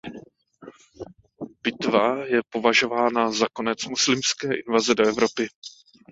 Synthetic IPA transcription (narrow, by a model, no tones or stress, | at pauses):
b̥ɪt̪vajɛpo̞vaʒo̞vaːnazako̞nɛt͡smuslɪmskɛːʔɪnvazɛdo̞ɛvɾo̞pɪ